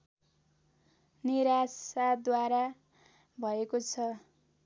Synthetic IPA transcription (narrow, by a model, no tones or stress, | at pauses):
niɾasad̪waɾa | bʱʌekot͡sʰʌ